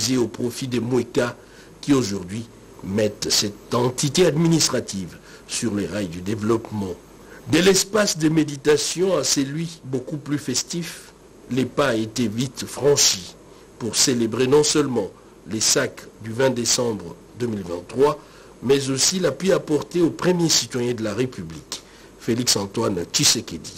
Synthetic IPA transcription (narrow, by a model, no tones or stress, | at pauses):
zeopχɔfid̪emweka | kʲioʒuʁd̪ɥi | mɛt̪sɛt̪ɑ̃t̪it̪ead̪minist̪χat̪iv | syʁleʁajd̪yd̪evlɔpmɑ̃ | d̪ɛlɛspasd̪əmed̪it̪asjɔ̃asɛlɥibokuplyfɛst̪if | lepaet̪evit̪fχɑ̃ʃi | puʁselebʁenɔ̃sœlmɑ̃ | lesakd̪yvɛ̃d̪esɑ̃bʁə | d̪ømilvɛ̃t̪ːχwa | mɛzosilapɥiapɔʁt̪eopχəmjesit̪wajɛ̃d̪əlaʁepyblik | feliksɑ̃t̪want͡ʃisekʲed̪i